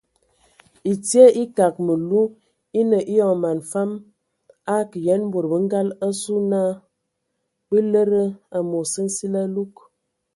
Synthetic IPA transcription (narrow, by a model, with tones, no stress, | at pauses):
i˨ti˦ə˦ʔi˦ka˨k̚mə˨lu˦ | i˦nə˨ʔi˦jɔ˨ŋ˨ma˨nfa˦m | a˦kə˨jɛ˨˦nm˦bo˨ɾbə˨˦ŋ̩˦ɡa˦lə˦su˦na˦ | bə˦lə˦ɾə˦a˨mo˨sə˦n̩˦si˦la˦lu˦k